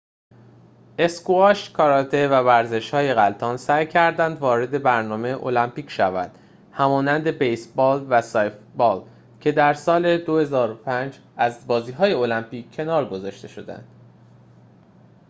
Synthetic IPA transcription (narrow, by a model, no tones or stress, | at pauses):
ʔe̞skuɒʃkʰɒɾɒt̪ʰe̞vævæɾze̞ʃhɒːje̞ɣælt̪ʰɒːnsæjcʰæɾd̪ænd̪vɒːɾe̞d̪e̞bæɾnɒːmeʔo̞̰læmpiːcʰʃævæ̰nd̪̥ | hæmɒːnænd̪e̞bejsbɒːlvæsɒjfbɒːl | cʰe̞d̪æɾsɒːle̞d̪o̞he̞zɒːɾopʰænd͡ʒ | æzbɒːziːɦɒːje̞o̞læmpiːcʰːe̞nɒːɾɡo̞zɒːʃt̪e̞ʃo̞d̪æ̰nd̪̥